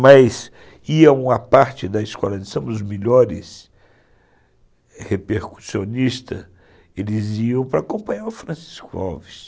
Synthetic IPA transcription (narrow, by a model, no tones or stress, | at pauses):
mɐz | iɐũmɐpaɾt͡ʃɪd̪ɐiskɔlɐ̃sõmʊzmeʎɔɾɪs | hepeɾku̥sionist̪ɐ | elɪziɐ̃w̃pɾɐːkõmpɐ̃ɲaɾʊfɾɐ̃si̥skʊa̰vis